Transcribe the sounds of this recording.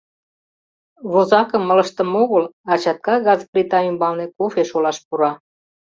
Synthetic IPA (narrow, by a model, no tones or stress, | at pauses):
βozɑkəmːə̆ləʃt̪əmoɣəlɑt͡ɕɑt̪̚kɑɣɑzprʲit̪ɑymbɑlnekofeʃolɑʃpuɾɑ